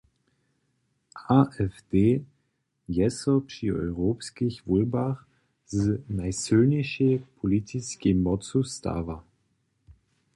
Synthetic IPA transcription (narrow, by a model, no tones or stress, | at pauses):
ʔaʔɛfd̥eː | jɛsɔpʃiɔʏʁoːpskɪçvulbaχ | zənaɪsøːnɪʃepʰolitʰɪskemːɔt͡susta̰ːva